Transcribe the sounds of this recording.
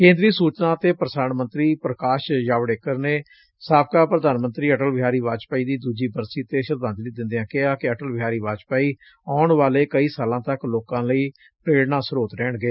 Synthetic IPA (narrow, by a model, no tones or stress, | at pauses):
kẽːnd̪ɾiːsuːt͡ʃnãːt̪eːpɾəsaːnmə̃nt̪ɾiːpɾəkaːʃjaːʋɽeːkəɾneː | saːb̚kaːpɾəd̪aːnmə̃nt̪ɾiːəʈəlʋɪɦaːɾiːʋaːd͡ʒpaːiːd̪iːd̪uːd͡ʒiːbəɾsiːt̪eːʃəɾd̪ãːnd͡ʒ̪lid̪ɪ̃nd̪ejãːkɪaːkɪəʈəlʋɪɦaːɾiːʋaːd͡ʒpaːiː | aːʊɳʋaːleːkəiːsaːlãːt̪əkloːkãːləiː | pɾeːɽnãːsəɾoːt̪ɾɛːɳɡeː